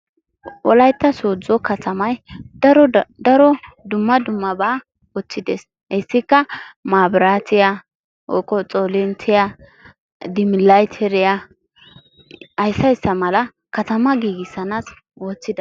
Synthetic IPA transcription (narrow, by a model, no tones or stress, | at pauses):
ʔɔ̰lɐjt̪ːɐsoːd͡zɔkɐt̪ʰɐmɐjd̪ɐɾɔd̪ɐɾɔd̪ʊmːɐd̪ʊmːɐbaː | wɔt͡sːɪd̪ḛːs | hɛsːɪkːɐmaːbɾaːt̪ʰɪja | ɔ̰kːɔt͡sʼoːlɪnt̪ʰɪja | d̪ɪmɪlajt̪ʰɛɾɪja | ɐjsːɐɪsːɐmɐlɐ | kɐt̪ɐmɐɡiːɡɪsːɐnas | wɔːt͡sːɪd̪ɐ